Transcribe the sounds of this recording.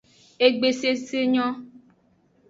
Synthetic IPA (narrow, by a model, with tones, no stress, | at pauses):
e˦ɡ͡be˨se˦se˦ɲɔ̃˦